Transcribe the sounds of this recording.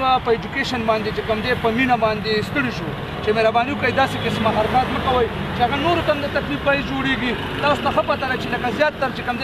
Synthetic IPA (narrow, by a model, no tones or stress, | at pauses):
apəed͡ʒukeʃanbɑnd̪et͡ʃekəmd̪epəminabɑnd̪est̪əɽiʃu | t͡ʃemeɾabɑːniwʊkajd̪ɑsekɪsmaɦaɾakat̪nəkawəj | t͡ʃeaɣanoɾot̪amd̪ət̪aklib̚paizd͡ʒoɽeɡi | t̪ɑːsot̪axəpat̪aɾat͡ʃeləkazjɑːt̪ːaɾt͡ʃekəmd̪